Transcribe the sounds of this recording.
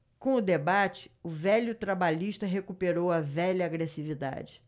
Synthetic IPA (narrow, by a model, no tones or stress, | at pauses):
kõʊd̪ebat͡ʃɪ̥ʊvɛʎʊt̪ɾabaʎiʃt̪ɐɦekupeɾowɐvɛʎɐːɡɾesivid̪a̰d͡ʒɪ